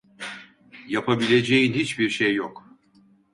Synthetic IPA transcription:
japʰabilʲe̞d͡ʒejinhit͡ʃbiɾʃejːok

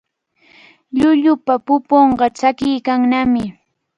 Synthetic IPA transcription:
ʎʊʎʊpapʊpoɴɢɑt͡ʃakɪjkaŋnamɪ

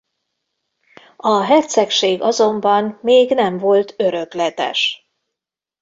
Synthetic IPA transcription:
ɒɦɛt̪sɛkʃeːɡɒzo̞mbɒnmeːɡnɛmvo̞lt̪ʰø̞ɾø̞klɛt̪ɛ̰ʃ

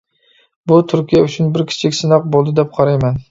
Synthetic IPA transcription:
bʊt̪ʰʊɾkʲʰijaʊt͡ʃʰʊnbɪɾkʲʰɪ̥t͡ʃʰɪkʲsɪnɑq̚bolˠd̪ɪd̪ep̚qʰɑɾajman

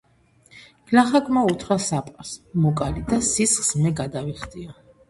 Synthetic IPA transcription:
ɡ̥laχakʼmaut̪ʰwasapʼaɾsmɔkʼalid̪asisχsmɛɡad̪aviχd̪ia

